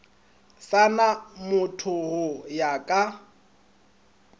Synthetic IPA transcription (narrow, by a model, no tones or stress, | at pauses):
sanamʊtʰʊhʊjakʼa